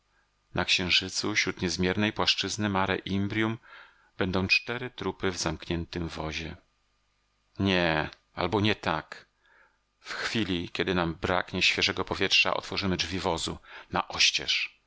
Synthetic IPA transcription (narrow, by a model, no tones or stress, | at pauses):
nʔakɕɛ̃w̃ʐɘt̪suɕɾut̪ɲɛzmʲjɛɾnɛjpwaʂt͡ʂɘznɘmaɾɛ̰ʔimbɾʲjum | b̥ɛnd̪ɔ̃w̃t͡ʂt̪ɛɾɘt̪ɾupɘvzamkɲɛnt̪ɘmvɔʑɛ | ɲɛ | a̰lbɔɲɛt̪ak | fxfʲilʲikʲɛd̪ɘnambɾa̰kɲɛɕfʲjɛʐɛɡɔpɔvʲjɛtʂa̰ʔɔ̰t̪fɔʐɘmɘdd͡ʐvʲivɔzunaʔɔɕt͡ɕɛ̰ʂ